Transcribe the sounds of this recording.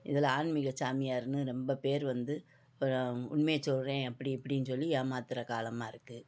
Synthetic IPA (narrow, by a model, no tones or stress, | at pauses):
ɪðɪlaːnmɪɣɐsaːmɪjaːɾɯnɯɾɛmbɐpeːɾʋɐnd̪ɯ | ʊ̰ɳmejt͡ʃɔlɾẽːɐpːɐɽiɛpːɐɽɪnːɯsɔlːijaːmaːt̪ɪɾɐkaːlɐmaːɪɾɯkːɯ